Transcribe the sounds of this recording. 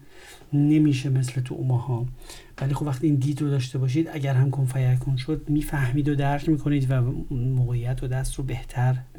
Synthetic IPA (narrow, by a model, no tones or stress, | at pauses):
ne̞miːʃ̬eme̞s̬let̪ʰṵmɒhɒː | væliːxobvæxt̪iːnd̪iːd̪ɾod̪ɒːʃt̪e̞bɒːʃ̬iːd̪æɟæɾɦæmkʰonfæjækʰonʃo̞d̪miːfæhmiːd̪od̪æɾcʰmiːkʰo̞niːd̪væmoɣejːæt̪ʰod̪æst̪ɾobeht̪ʰæɾ